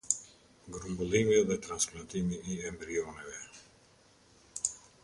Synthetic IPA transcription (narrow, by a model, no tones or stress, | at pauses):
ɡɾumbulimɛd̪ɛt̪ɾansklant̪imiiɛmbɾionɛvɛ